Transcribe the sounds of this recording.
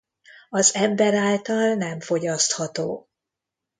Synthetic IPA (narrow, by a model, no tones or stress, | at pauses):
ɒzɛmbɛɾaːlt̪ɒlnɛɱfo̞ɟɒst̪hɒt̪oː